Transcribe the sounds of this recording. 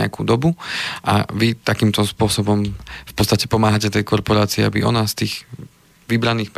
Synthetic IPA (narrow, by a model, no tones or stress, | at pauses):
ɛ̰a̰kuːd̪ɔbuʔa̰ʋit̪akiːmt̪ɔspʊɔsɔbɔmfpɔtt͡st̪acɛ̥pɔmaːɦacɛt̪ɛjkɔɾpɔɾaːt͡siɛa̰biʔɔnast̪iːɣ | ʋibɾaniːxp